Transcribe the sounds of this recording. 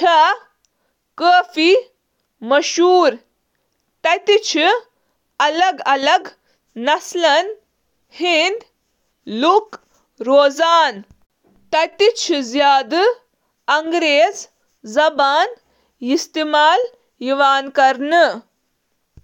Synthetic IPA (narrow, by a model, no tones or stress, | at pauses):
ʈʰɐ | kəːfi | mɐʃuːɾ | t̪ɐt̪it͡ʃʰi | ɐlɐɡɐlɐɡ | nɐslɐn | hind̪ | luk | ɾoːzaːn | t̪ɐt̪it͡ʃʰizjaːd̪ | ɐŋɡɾeːz | zɐbaːn | ist̪imaːl | jiʋaːnkɐɾnɨ